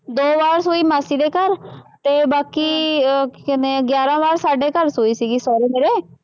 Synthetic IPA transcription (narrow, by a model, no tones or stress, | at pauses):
d̪oːʋaːɾsoːimaːsid̪ekəɾt̪ebaːki | kneɡjaːɾãʋaːɾsaːɖekəɾsoːisiɡisɔːɾimeːɾe